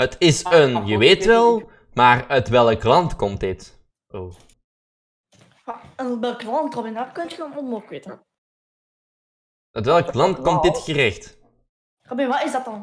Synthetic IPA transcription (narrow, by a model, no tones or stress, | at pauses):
ətɪsənjəʋeːtʋɛlˠ | maːrœtʋɛlˠklɑntkɔmt̚dɪt | oː | maənʋɛlˠklɑntrɔbɪnapkɵntxonɔnmokwetə | œtʋɛlˠklɑntkɔmt̚dɪtxərɛxt | rabeʋaɪzdɑt̚ɑn